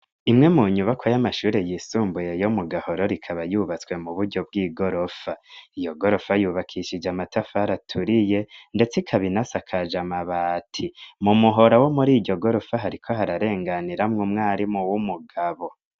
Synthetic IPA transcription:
imŋe̞muɲuβakʰojamaʃuːɾe̞jisuːmbuje̞jomuɡaho̞ɾoɾikʰaβajuβat͡swe̞muβuɾɟo̞b̚ɡiːɡo̞ɾo̞faijo̞ɡo̞ɾo̞fajuːβakʰiʃid͡ʒamatafaɾatʰuɾije̞nde̞t͡sikʰaβinasakʰaʒamaβaːtʰimumuɦo̞ɾawo̞muɾiːɟo̞ɡo̞ɾo̞faɦaɾikʰo̞ɦaɾaɾe̞ːŋɡaniɾamŋumŋaːɾimuwumuɡaβo̞

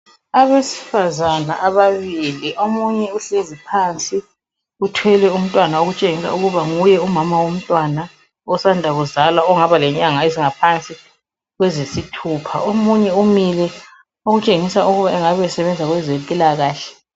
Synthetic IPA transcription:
aβesi̥fazana̰ʔaβaβiliʔomuɲɛuɬezipʰant͡sʼi | utʰwɛlɛum̩tʼwanaoɣut͡ʃʼeŋisa̰uɣuβaŋujɛumamawom̩tʼwana | ɔsandʱaβɔzalwaɔŋaβalɛɲaŋaeziŋapʰant͡sʼi | ɣwɛzesitʰuːpʰa̰omuɲɛumilɛ | oɣut͡ʃʼeŋisauɣuβaɛŋaβɛsɛβɛnd͡zʱaɣwɛzekʼilaɣaːɬɛ̥

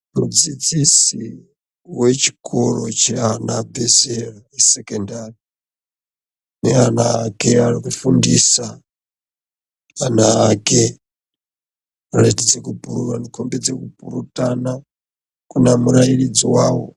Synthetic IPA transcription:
mud͡zid͡zisi | wet͡ʃʰi̥kʼʰoɺɔt͡ʃɛanabɛzɛɺaisekendari | nɛanaːkɛaɾikufundisa | anaːke | aletid͡zekupuɾuɾanikʰombɛd͡zekupuɾutʼana | kunamuɾaiɺid͡ziwaːwɔ̰

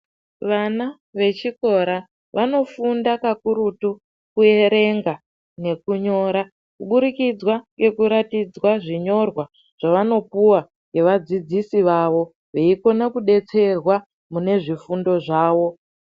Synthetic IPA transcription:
ʋana | ʋe̞t͡ʃiko̞ɾa | ʋʔano̞fundakakuɾutu | kuje̞ɾe̞ŋɡa | ne̞kuɲo̞ːɾa | kuɓuɾikid͡zwaŋɡe̞kuɾatid͡zwaʐiɲo̞rwa | ʐ̥aʋano̞puwa | ŋɡe̞ʋad͡zid͡zisiʋaʋo̞ | ʋeiko̞nakuɗe̞t͡se̞rwa | mune̞ʐifundo̞ʐaːʋo̞

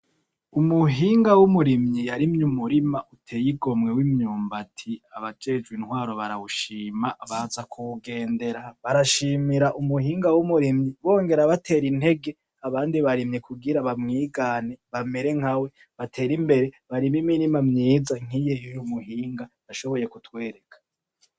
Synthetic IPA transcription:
umuɦiːŋɡawumuɾimɲijaɾimɲumuɾimaʔutʰejiɡo̞mŋe̞wimɲuːmbatʰiaβad͡ʒe̞d͡ʒɡwinhwaːɾo̞βaɾawuʃiːmaβazakʰuuɡe̞ːnde̞ɾaβaɾaʃiːmiɾaʔumuɦiːŋɡawumuɾimɲiβo̞ːŋɡe̞ɾaβatʰe̞ːɾinhe̞ɡe̞ | aβaːndiβaɾimɲekʰuɡiɾaβamŋiːɡaneβame̞ɾe̞ŋ̥hawe̞ | βatʰe̞ːɾimbe̞ɾe̞βaɾimimiɾimamɲiːzaŋ̥ijejujumuɦiːŋɡa | aʃo̞βo̞je̞kutwe̞ːɾe̞kʰḁ

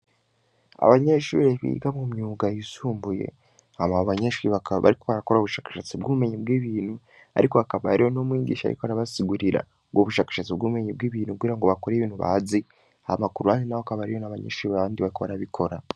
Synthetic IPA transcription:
a̰βaɲeʃṵːɾeβḭːɡamumɲuːɡajisuːmbuje̞̰ | amaoβaɲeʃuːɾiβakaβa̰ɾikoβaɾakoɾaoβuʃaːkḁʃat͡sibɡuβume̞ɲebɡiːβiːn̥hu | a̰ɾikoakaβaɾijo̞nomwiːdḭːʃa̰ɾḭkoaɾaβasiɡuɾiɾa̰ | ɡoβuʃaːkḁʃat͡sibɡuːβumeɲib̚ɡiːβiːnhukɡiːɾaŋɡoβakoɾeβiːn̥huβa̰zi | aamakuɾuhaninawoakaβaɾijo̞naβaɲḛʃuːɾiβaβaːndiβaɾikoβaɾaβikʰo̞ɾa

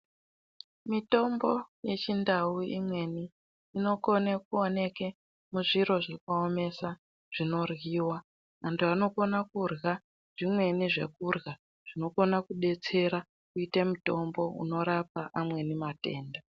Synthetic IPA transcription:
mito̞mbo̞je̞t͡ʃindauimwe̞ni | ino̞konekuone̞ke | muʐiɾo̞ʐakaome̞sa | ʐ̥ino̞rɣiːwa | antʰuano̞ko̞nakurɣa | ʐ̥imwe̞niʐe̞̰kurɣa | ʐ̥ino̞ko̞nakuɗe̞t͡se̞ɾa | kuitemuto̞mbo̞ṵno̞ɾap̚aʔamwe̞nimate̞ːnda

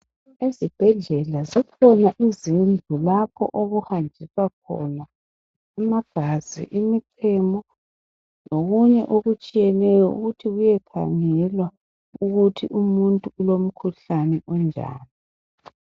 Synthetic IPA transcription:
ezib̥ʱɛɮɛlazikʰɔnaʔizind͡ɮʱulapʰɔ̰ʔoɣuhand͡ʒʱisakʰɔ̰na | amaɡ̥ʱazḭʔimiǀʰɛmɔ | noɣuɲɛʔoɣut͡ʃʼijɛnɛjɔṵɣutʰiɣujɛkʰa̰ŋɛlwa | uɣutʰḭʔumuntʼuulom̩kʰuɬanɛʔɔnd͡ʒʱa̰ːni

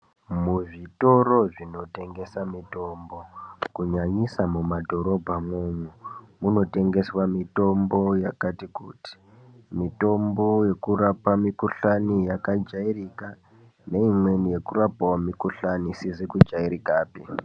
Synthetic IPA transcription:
muʐito̞ro̞ʐino̞te̞ŋɡe̞samito̞ːmbo̞kuɲaɲisamumadʱo̞ɾo̞bʱamwuɲwumuno̞te̞ŋɡe̞swamito̞mbo̞jakatikṵːti̥ | mito̞mbo̞je̞kurapamikuɬanijakad͡ʒairika | ne̞imwe̞nije̞kurapawamikuɬanisizikud͡ʒaiɾikaːpi

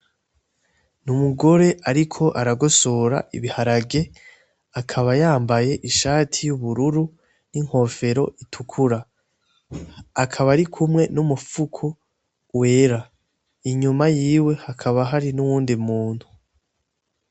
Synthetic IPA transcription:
numuɡo̞ɾe̞ʔaɾikʰo̞ʔaɾaɡosoɾa̰ʔḭβihaɾaɡe̞ | akʰaβajaːmbaje̞ʔiʃaːtʰijuβuɾuɾu | niŋ̥ho̞ːfe̞ɾo̞ʔitʰukʰuɾa | akʰaβaɾikʰumŋe̞numufukʰu | we̞ːɾa | iɲumajiːwe̞hakʰaβaɦaɾinuwuːndimuːn̥hu

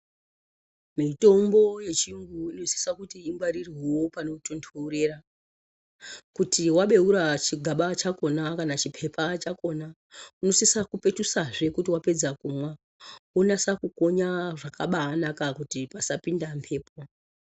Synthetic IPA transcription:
mito̞mbo̞je̞t͡ʃiŋɡuino̞si̥sakutiːŋɡwaɾiriwo̞pano̞tontʰoure̞ːra | kutiwaɓe̞uɾat͡ʃiɡʱaɓat͡ʃako̞nakanat͡ʃipʰe̞pʰat͡ʃako̞na | uno̞sisakupe̞tusaʐe̞kutiwape̞d͡zakumwa | onasakuko̞ɲaʐakaɓaːnakakutipasapindampʰe̞ːp̚o

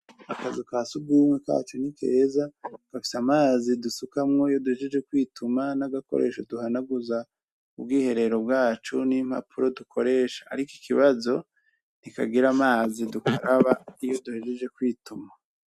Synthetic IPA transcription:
akazikaːsubɡuːmweka̰ːt͡ʃunikʰe̞̰ːzaɡ̥afi̥samaːzidusukamŋo̞ijo̞duhe̞ʒe̞d͡ʒekwiːtumanaɡako̞̰ɾeːʃoduɦanaɡuza | ub̚ɡiːhe̞ɾe̞ɾo̞b̚ɡaːt͡ʃunim̥ha̰pʰuɾo̞dukʰo̞ɾe̞ːʃḁːɾiki̥kiβazo̞ | nika̰ɡiɾamaːzidukaɾaβaijo̞duhe̞ʒe̞d͡ʒe̞kwiːtuma

